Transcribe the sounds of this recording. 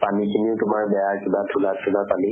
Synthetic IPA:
panikʰiniʊtʊmaɹbɛjaɹkibatʰulatʰulapali

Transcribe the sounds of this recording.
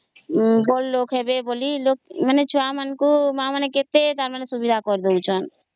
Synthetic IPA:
bolːokɦebebolilokmənet͡ʃʰuamənkumãməneket̪et̪aɾmənesubid̪ʱakɔɾd̪eut͡ʃʰɔn

